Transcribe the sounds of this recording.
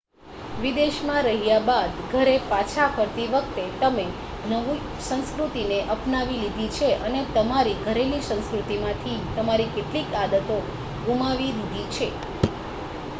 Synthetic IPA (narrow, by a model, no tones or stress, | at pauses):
ʋid̪eʃmãɾəɦijabad̪ɡʱəɾepat͡ʃʰafəɾt̪iʋək̚t̪et̪əme | nəʋi | sə̃nskɾut̪ineʔəpnaʋilid̪ʱit͡ʃʰeʔənet̪əmaɾiɡʱəɾelisə̃nskɾut̪imãt̪ʰit̪əmaɾikeʈlikad̪ət̪o | ɡumaʋilid̪ʱit͡ʃʰe